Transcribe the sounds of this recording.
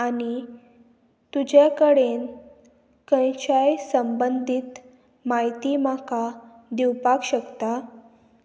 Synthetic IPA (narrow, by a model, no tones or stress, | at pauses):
ani | t̪ud͡ʑakəɽen | kə̃jt͡ɕajsəmbənd̪ʱit̪ | majt̪imaka | d̪iwpakɕəkt̪a